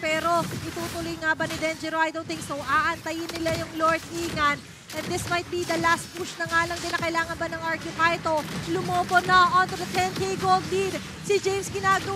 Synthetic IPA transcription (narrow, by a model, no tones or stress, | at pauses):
pɛːɾo̞ʔɪt̪uːt̪ʊlʊjŋabɐnɪd̪ɛnd͡ʒɛɾoʔajd̪ont̪ɪŋsowʔaʔɐnt̪ɐjɪnːɪlajʊŋloɹt̪̚iːŋɐn | ʔɛnd̪ɪsmɐjt̪̚bid̪ɐlast̪̚puʃnɐŋaːlɐŋd̪ɪnɐkɐɪlaːŋɐnbɐnɐŋʔaɹkjʊpajt̪olʊmoːbonɐʔont̪ud̪ɐt̪ʰɛneɡoɡ̚d̪in | sɪd͡ʒejmsɡɪnaːɡɐ